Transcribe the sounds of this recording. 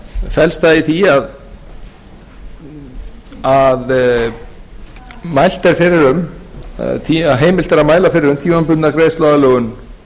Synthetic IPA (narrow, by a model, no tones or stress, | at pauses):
fɛlst̪θaðiθiað | að | majl̥t̪ɛɾ̥fɪɾɪɾʏm | t̪ʰiaɦeːjmɪl̥t̪ɛɾaðmaːjlafɪɾɪɾʏmt̪ʰjuːanpʏt̪nakɾeːjst̪lɔɣalœɣʏn